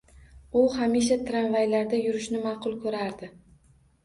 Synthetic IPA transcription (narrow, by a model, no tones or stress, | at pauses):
ʊhamiʃ̬at̪ʰɾanvajlaɾd̪ajʊɾɪʃnɪmɑːqʰʊlˠkʰɵɾaɾd̪ɪ